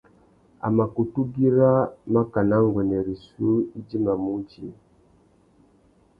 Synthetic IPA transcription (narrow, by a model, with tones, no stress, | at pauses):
a̰˨ma˨ku˨tu˦ɡi˦ɾa˦ma˦ka˨na˦ŋ˨ɡwɛ˨nɛ˨ɾi˨su˦i˦d͡ʒi˦ma˨mu˦t͡ʃi˦